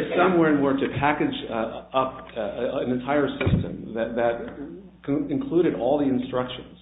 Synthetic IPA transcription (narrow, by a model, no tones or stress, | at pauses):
sʌ̃mwɛɹɨ̃nwɔɹɾɨpʰækɨd͡ʒʌp̚ | nɨ̃ntʰaɪə˞sɪstɨ̰̃mðɨt̪̚ðɨt̚ | kʰɨ̃nkʰl̥uɾɨɾɔlˠðiɨ̃nstɹ̥ʌkʃɨ̃nz̥